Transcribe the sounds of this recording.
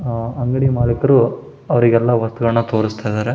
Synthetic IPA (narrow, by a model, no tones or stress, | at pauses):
ɐŋɡɐɽimaːlɐkɐɾu | ɐʋɐɾiɡɛlːɐʋɐst̪uɡɐɭɐnɐt̪o̞ːɾist̪ʰajd̪aːɾe